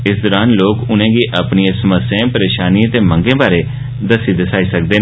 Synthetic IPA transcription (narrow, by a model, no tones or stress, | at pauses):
ɪsd̪ɔːɾaːnloːkʊnẽːɡiːʔəpniẽːsəməsjẽːpəɾeːʃaːniːt̪eːməŋɡẽːbaːɾeː | d̪əsiːd̪əsaːiːsək̚d̪eː